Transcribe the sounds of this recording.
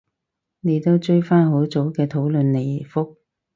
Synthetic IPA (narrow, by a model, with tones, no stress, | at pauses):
ne˨˧jt̪o˥wt͡ʃɵ˥jfaː˥nɦo˨˥wt͡so˨˥wkɛː˧t̪ʰo˨˥wlɵ˨nle˨˩jfʊ˥k̚